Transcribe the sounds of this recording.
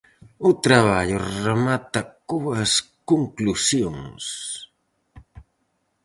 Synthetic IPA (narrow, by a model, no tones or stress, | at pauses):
ʊt̪ɾaβaʎoɾamat̪akuwaskoŋklusjoŋs